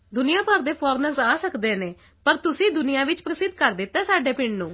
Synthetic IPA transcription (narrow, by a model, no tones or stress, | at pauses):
d̪ʊnɪjãːpəɾd̪eːpʰɔːɾnəɾsaːsəkd̪eːneː | pəɾt̪ʊsĩːd̪ʊnɪjãːʋɪt͡ʃpɾəsɪd̪̚kəɾd̪ɪt̪ɛːsaːɖeːpɪɳɖnũː